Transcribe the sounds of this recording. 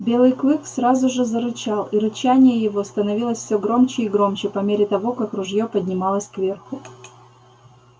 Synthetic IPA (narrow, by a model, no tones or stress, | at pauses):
bʲe̞lˠɨjklˠɨksrazʊʐɨzəɾʊt͡ɕalˠiɾʊt͡ɕænʲɪjəjɪvo̞st̪ənɐvʲilˠəsʲfʲsʲoɡɾo̞mt͡ɕɪiɡɾo̞mt͡ɕɪpɐmʲeɾʲɪt̪ɐvo̞kakrʊʐjopədʲnʲɪmɑlˠəsʲkvʲe̞rxʊ